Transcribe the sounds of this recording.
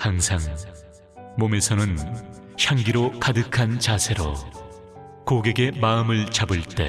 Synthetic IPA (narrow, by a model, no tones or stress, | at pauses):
haŋsʰaŋ | mome̞sʰʌnɯn | ɕʰaŋɡiɾokadɯkʰant͡ɕasʰe̞ɾo̰ | koɡe̞ɡe̞maɯmɯɭt͡ɕabɯɭt͈e̞̰